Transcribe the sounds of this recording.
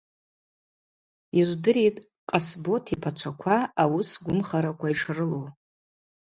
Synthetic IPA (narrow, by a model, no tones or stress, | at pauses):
iʒʷdɨɾijtʼ | qʼasbo̞tʰipʰat͡ʃʷʰakʷʰaawʊsɡʷʊmχaɾakʷʰaiʂrɨlow